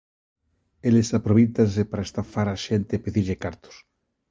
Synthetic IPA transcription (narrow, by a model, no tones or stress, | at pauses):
elesapɾoβit̪ansepaɾaest̪afaɾaʃent̪epeðiɾʎekaɾt̪o̥s